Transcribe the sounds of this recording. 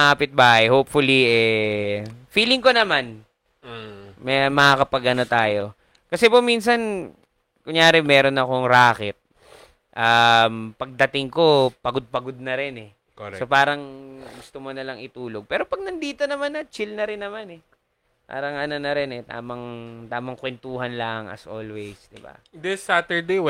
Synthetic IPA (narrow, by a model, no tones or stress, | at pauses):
ʔɐpɪt̪̚baːhɐjhoːp̚fʊliʔɛ | fiːlɪŋko̞nɐman | mɛmɐhakɐpɐɡʔɐno̞t̪aːjo̞ | kɐsɛpominsɐn | kʊŋjaːɾɛmɛːɾo̞nɐko̞ŋɾaːkɛt̪̚ | ʔɐmpɐɡ̚d̪ɐt̪ɪŋko̞pɐɡod̪̚pɐɡod̪̚nɐɾɛnɛ | ksopaːɾɐŋɡʊst̪omo̞nɐlɐŋɪt̪uːlo̞ɡ̚pɛːɾo̞pɐɡ̚nɐnd̪iːt̪o̞nɐmanɐt͡ʃɪlnɐɾɪnːɐmanɛ | pa̰ːɾɐŋɐnonɐɾɪnɛt̪a̰ːmɐŋt̪aːmɐŋkwɛnt̪uːɦɐnlɐŋʔɐ̰sʔo̰ːlwɛjsd̪ɪba̰d̪ɪsat̪ɛɹd̪e